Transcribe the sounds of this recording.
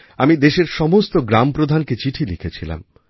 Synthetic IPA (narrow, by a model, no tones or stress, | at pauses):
amid̪eʃeɾʃɔmost̪oɡɾampɾod̪ʱanket͡ɕiʈʰilikʰet͡ɕʰila̰m